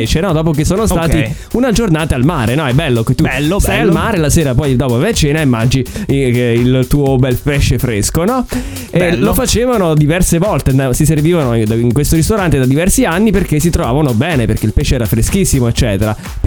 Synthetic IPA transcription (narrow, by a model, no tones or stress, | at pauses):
t͡ʃenɔd̪ɔːpok̬esːoːnost̪aːt̪i | unad͡ʒornaːt̪aalmaːɾenɔɛbːɛlːoket̪ːuːsajalmaːɾelaseːɾapɔjd̪ɔːpovɛat͡ʃeːnaemːand͡ʒi | ilt̪uːobɛlpɛʃːefɾeskonɔ | elofat͡ʃeːvanod̪ivɛrsevɔlt̪easiserviːvanod̪aiŋkwest̪oɾist̪oɾant̪ed̪ad̪ivɛrsianːiperkes̬ːit̪ɾovaːvanobɛːneperk̟eilpɛʃeɛːɾafɾeskisːimoet͡ʃːɛːt̪eɾa